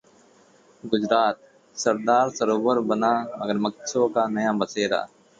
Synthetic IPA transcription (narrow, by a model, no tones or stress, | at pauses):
ɡʊd͡ʒɾaːt̪̚ | səɾd̪aːɾsəɾoːbəɾbənaːməɡəɾmək̚t͡ʃʰokanəjabəseːɾa̰ː